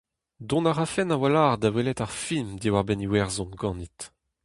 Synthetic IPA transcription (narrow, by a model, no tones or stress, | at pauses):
dɔ̃naʁafɛnawalaːʁd̪awelɛt̪aʁfilmd̪iwaʁbɛniwɛʁzɔ̃nɡɑ̃nit̪